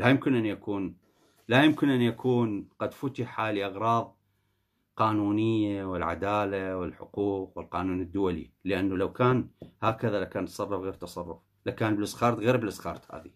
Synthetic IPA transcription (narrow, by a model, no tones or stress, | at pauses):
lajʊmkɪnʔanjakuːn | lajʊmkɪnʔanːjakʰuːnqɑd̪fʊt̪ɪħaliʔɑɣɾˤɑːðˤ | qɑːnuːnɪjːawɪlʕa̰d̪aːlawɪlħʊ̰quːqwɪlqɑːnuːnəd̪ːʊwalḭləʔanːalawkaːnhaːkaðalakaːnt̪sˤɑrˤːʊfɣeːɾt̪ɑsˤɑrˤːʊf | lakaːnblɪsxɑːɾˤt̪ɣeːɾblʔɪsˤxɑːɾˤt̪ha̰ːði